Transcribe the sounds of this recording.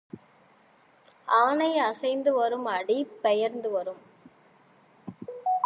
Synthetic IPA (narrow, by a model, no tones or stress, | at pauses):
aːnɐɪɐsɐɪnd̪ɯʋɐɾɯmɐɽipːɛjɐɾnd̪ɯʋɐɾɯm